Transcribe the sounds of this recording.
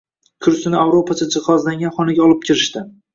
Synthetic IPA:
kʰʊɾsɪnɪawɾopʰat͡ʃʰad͡ʒɪχɒzlaŋɡʲanχɒnɪɡʲaɒlˠɪp̚kʲʰɪɾɪʃt̪ɪ

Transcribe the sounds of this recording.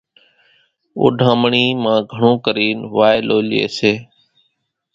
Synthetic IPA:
ʊ̰ːɖʱãːmɳiːmãːɡʱəɳõːkəɾiːnʋaːeloːlḛːseː

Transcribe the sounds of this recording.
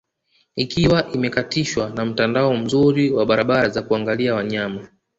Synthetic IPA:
ikiwaʔimɛkatiʃwanam̩tandaɔm̩zuɾiwaɓaɾaɓaɾazakuaŋɡaliawaɲama

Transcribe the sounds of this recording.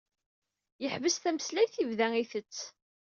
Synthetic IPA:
jəħvəsθæməslæjθivðæiθət͡sː

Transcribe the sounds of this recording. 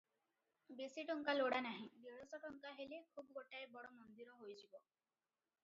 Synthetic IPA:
besiʈɔŋkaloɽanaɦĩb̪iɭɔsɔʈɔŋkaɦelekʰubɔɡoʈaebɔɽɔmɔnd̪iɾɔɦojd͡ʒʰibɔ

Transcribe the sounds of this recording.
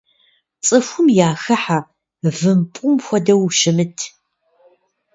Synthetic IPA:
t͡sʼɨfʷʊmjaːxɐħa | vɨmpʷʼʊmxʷɔdɐwʃɪmɨtʰ

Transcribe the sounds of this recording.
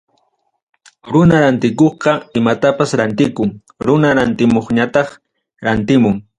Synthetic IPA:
ɾʊnaɾant̪ɪkoχqɑɪmat̪apasɾant̪ɪkʊŋ | ɾʊnaɾant̪ɪmoχɲat̪ɑχ | ɾant̪ɪmʊŋ

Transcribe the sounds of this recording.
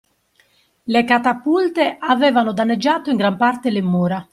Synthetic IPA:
lekat̪apːult̪eʔavɛːvanod̪anːed͡ʒːaːt̪oiŋɡɾampart̪elemːuːɾa

